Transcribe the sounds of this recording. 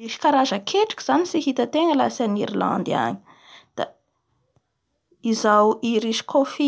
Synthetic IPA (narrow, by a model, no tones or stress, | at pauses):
iʃi̥kaɾazəkʰeʈ͡ʂḁki̥z̥anisihit̪ət̪eŋəlasaniɾila̰nd̪a̰ɲi̥ | d̪̥a̰ | izawiɾiʃi̥kʰofi